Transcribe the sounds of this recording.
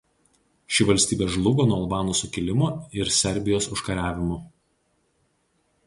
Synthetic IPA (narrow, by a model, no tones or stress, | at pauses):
ʃʲɪʋɐlʲsʲt̪ʲiːbʲeːʒlˠʊɡoːnuɔɐlˠbɑːnʊsʊkʲɪlʲɪmoːɪɾsʲɛɾʲbʲɪjoːsʊʃkɐɾʲæːʋʲɪmʊ